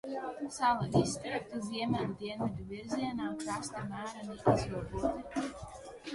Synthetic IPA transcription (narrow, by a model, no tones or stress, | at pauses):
salaist̪ɾɛk̚t̪uziɛmʲɛlʲd̪iɛnvʲid̪uviɾziɛnaːkɾast̪amæːɾaniʔizvuɔd̪uɔt̪i